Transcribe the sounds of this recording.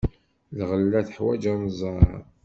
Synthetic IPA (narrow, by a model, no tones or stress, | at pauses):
lʁəlːæθəħwæ̰d͡ʒænzˤɑɾ̰